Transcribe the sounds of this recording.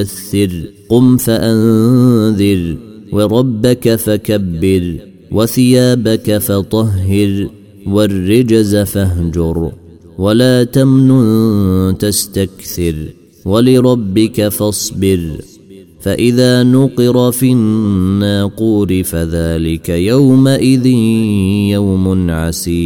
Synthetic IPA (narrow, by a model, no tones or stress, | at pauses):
aθːɪɾqʊmfaʔanðɪɾwɑɾˤɑbːakafakabːɪɾ | waθɪjaːbakafɑt̪ˤɑɦːɪɾ | warːɪd͡ʒazafaɦd͡ʒʊɾ | walaːt̪amnʊnt̪ast̪akθɪɾ | walɪɾˤɑbːɪkafɑsˤbɪɾ | faʔɪðaːnʊqɨɾˤɑfiːnːaːquːɾɪfaðaːlɪkajawmaʔɪðɪnjawmʊnʕasiː